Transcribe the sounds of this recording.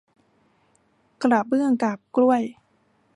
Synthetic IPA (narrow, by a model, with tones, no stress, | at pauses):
kɾa˨˩p̚bɯ˥˩əŋkaː˨˩p̚klu˥˩əj